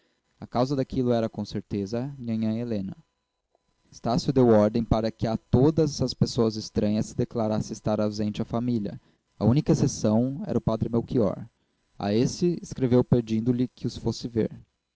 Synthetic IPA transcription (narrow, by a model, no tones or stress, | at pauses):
akawzɐd̪akilʊɛɾɐkõseɾt̪ezɐɲɐ̃ɲɐ̃elẽnɐ | est̪asjʊd̪ewɔɾd̪ẽj̃paɾɐkɪat̪od̪ɐzɐspesoɐzɪst̪ɾɐ̃ɲɐsɪd̪eklaɾasɪst̪aɾawzẽnt͡ʃɪafamilʲɐ̰ | ɐ̰unikɐesesɐ̃w̃ɛ̰ɾɐʊpad̪ɾɪmewkiɔ̰ɾ | a̰esɪeskɾevewpeɾd͡ʒĩnd̪ʊlɪkʰɪʊsfosɪvḛɾ